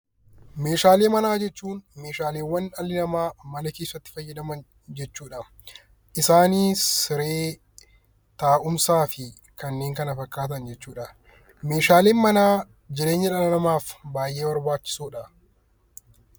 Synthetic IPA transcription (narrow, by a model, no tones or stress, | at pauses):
me̞ːʃaːle̞ːmɐnaːd͡ʒɛt͡ʃːuːnme̞ːʃaːleːwːɐnɐlːɪnɐmaːmɐnɐke̞ːsːɐt̪ːɪ̥fɐjːɐd̪ɐmɐn | d͡ʒɛt͡ʃːuːᶑɐ | ʔɪsaːniːsɪɾeː | t̪aːʔʊmsaːfɪ | kɐnːe̞ːŋkɐnɐfɐkːaːt̪̬ɐnd͡ʒɛt͡ʃːuːᶑɐ | meːʃaːleːnmɐnaː | d͡ʒɪɾeːɲːɐᶑɐlɐnɐmaːfbaːjʔe̞ːwɐɾbaːt͡ʃːɪ̥suːᶑɐ